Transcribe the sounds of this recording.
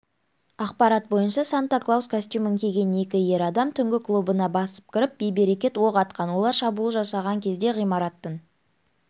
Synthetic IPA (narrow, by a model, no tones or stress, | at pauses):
ɑqpɑɾɑt̪̚bo̞jənʃɑsant̪aklˠawskʰosʲt̪ʲjuməŋkʲʰe̞ɡʲe̞ne̞kʲɪje̞ɾɑd̪ɑmt̪ʰʏŋɡʲɪklˠubənɑbɑsə̥p̚kʲɪɾɪp̚bejbe̞ɾe̞kʲe̞t̪wo̞qɑt̪̚qɑnwo̞lˠɑɾʃɑbulˠəʒɑsɑʁɑŋkʲʰe̞zd̪e̞ʁijmɑɾɑt̪ːən